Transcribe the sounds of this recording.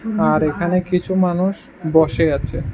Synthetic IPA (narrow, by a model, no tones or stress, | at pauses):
aɾekʰanekit͡ɕʰumanuʃ | bɔʃeat͡ɕʰe